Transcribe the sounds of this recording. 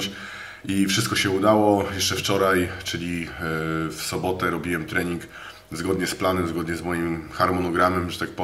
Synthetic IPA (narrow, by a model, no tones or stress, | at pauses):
t͡ɕ | ifʂɘst̪kɔɕɛud̪awɔjɛʂt͡ʂɛft͡ʂɔɾajt͡ʂɘlʲi | fsɔbɔt̪ɛɾɔbʲiwɛmt̪ɾɛɲiŋk | zɡɔd̪ɲɛsplanɛmzɡɔd̪ɲɛzmɔjimxaɾmɔnɔɡɾamɛmʐɛt̪ak̚pɔ